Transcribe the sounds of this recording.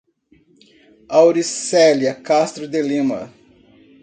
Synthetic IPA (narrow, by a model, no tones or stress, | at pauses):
awɾisɛljɐkast̪ɾʊd̪elĩmɐ̰